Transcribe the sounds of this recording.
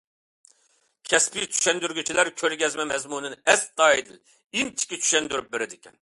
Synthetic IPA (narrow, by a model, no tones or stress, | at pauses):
kʲʰɛspit͡ʃʰy̥ʃɛnd̪yɾɡʲyt͡ʃʰilæɾkʲʰøɾɡʲɛzmɛmɛzmunɨnɛsd̪ɑːid̪ɪ̰l | int͡ʃʰi̥kʲit͡ʃʰy̥ʃɛnd̪yɾyp̚beɾɪd̪ɪkʲɛ̰n